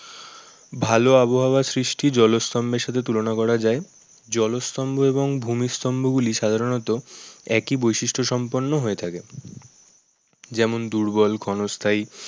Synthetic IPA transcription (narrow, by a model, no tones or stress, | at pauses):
bʱaloaboɦabasɾiʃʈid͡ʑɔlost̪ɔmbeɾʃat̪ʰet̪̬ulonakɔɾad͡ʑae | d͡ʑɔlost̪ɔmboeβoŋbʱumist̪ɔmboɡuliʃad̪ʱaɾonɔt̪oɛkibojʃiʃʈʰoʃɔmponːoɦoet̪ʰake | d͡ʑɛmond̪uɾbɔlkʰɔnost̪ʰai